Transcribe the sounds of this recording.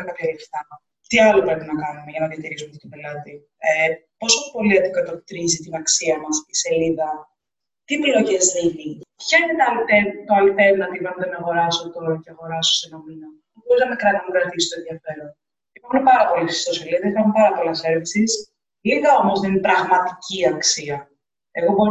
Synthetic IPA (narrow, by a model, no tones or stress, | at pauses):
ɐkɐt̪ɐlift̪ɐ | t̪iɐlopɾepinɐkɐnumeʝɐnɐðiɐt̪iɾisumɐot̪obe̞lɐt̪i | po̞so̞po̞liɐt̪ikɐt̪okt̪ɾizit̪inɐksiɐmɐsi̥se̞liðɐ | t̪iplo̞ʝe̞zninipçɐinet̪oɐlt̪et̪oɐlt̪evnɐt̪ivɐnðeneɐɣo̞ɾɐsot̪oceɐɣo̞ɾɐso̥senɐminɐ | boɾiznɐmekɾɐt̪inɐkɾɐt̪isist̪oe̞nðiɐfe̞ɾon | ipɐunepɐɾɐpo̞lisi̥st̪oseliðɐsifɐumpɐɾɐpo̞lɐseɾvisis | liɣɐo̞mo̞zðeinipɾɐɣmɐt̪i̥ciɐksiɐ | e̞ɣo̞bo̞ɾ